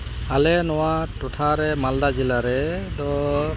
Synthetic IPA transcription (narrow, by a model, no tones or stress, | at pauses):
alɛnɔwatɔtʰaɾɛmaldad͡ʒilaɾɛdɔ